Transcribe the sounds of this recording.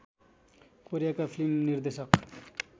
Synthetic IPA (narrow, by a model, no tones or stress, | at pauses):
koɾijakapʰilimniɾd̪esʌq